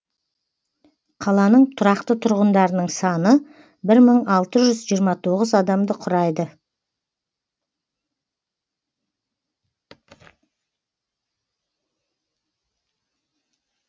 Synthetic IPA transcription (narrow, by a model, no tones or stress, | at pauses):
qʰɑlˠɑnəɴt̪ʰʊɾɑqt̪ət̪ʰʊɾʁənd̪ɑɾənəɴsɑnə | bɪɾməɴɑlˠt̪əʒʏzʒijəɾmɑt̪ʰo̞ʁəzɑd̪ɑmd̪əqʰʊɾɑjd̪ə